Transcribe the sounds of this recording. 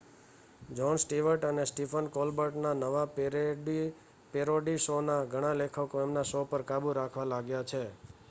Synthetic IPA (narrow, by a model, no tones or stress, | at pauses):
d͡ʒɔnsʈiʋəɾʈənesʈifʰənkɔlbəɾʈnanəʋa | peɾoɖisonaɡʱəɽ̃ãlekʰəkoemnasopəɾkabuɾakʰʋalaɡjat͡ʃʰe